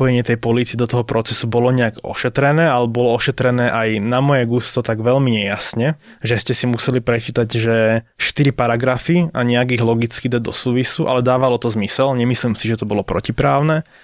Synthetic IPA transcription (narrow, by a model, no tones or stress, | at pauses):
pɔjɛɲɪɛt̪ɛjpɔliːt͡siɛd̪ɔt̪ɔɦɔpɾɔt͡sɛsubɔlɔɲɛaɡɔ̰ʃɛt̪ɾɛnɛːalɛbɔlɔɔʃɛt̪ɾɛnɛːʔajnamɔjɛɡust̪ɔt̪aɡʋɛʎmiɲɛjasɲɛ | ʒɛscɛsimusɛlipɾɛt͡ʃiːt̪aɟʒɛʃt̪iɾipaɾaɡɾafiaɲɛaɡiɣlɔɡit͡skid̪ad̪ɔ̰suːʋisuʔa̰lɛd̪aːʋalɔt̪ɔzmisɛlɲɛmisliːmsiʒɛt̪ɔbɔlɔpɾɔcipɾaːʊnɛː